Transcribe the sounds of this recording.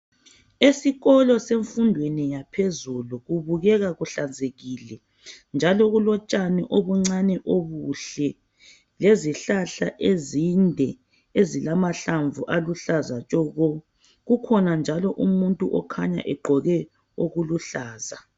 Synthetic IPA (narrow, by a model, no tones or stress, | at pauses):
esiɣɔlɔseɱfundʱwenijapʰezuluɣuβuɣɛɣaɣuɬand͡zʱeɣilɛ | nd͡ʒʱalɔɣulɔt͡ʃʼanɛʔoβuŋ͡ǀanɛʔoβuɬɛ | leziɬaɬa̰ʔezindʱɛ | ezilamaɬaɱvuʔaluɬazat͡ʃʼɔɣɔ | ɣukʰɔnand͡ʒʱalɔʔumuntʼuʔɔkʰaɲa̰ʔɛɡ͡ǃʱɔɣɛ | oɣuluɬaːza